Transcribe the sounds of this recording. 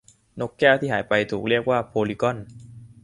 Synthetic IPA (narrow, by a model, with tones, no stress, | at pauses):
no˦˥kːɛː˥˩wt̪ʰiː˥˩ɦaː˩˦jpa˧jt̪ʰuː˨˩k̚ɾi˥˩ək̚waː˥˩pʰoː˧li˦˧kɔ˥˩n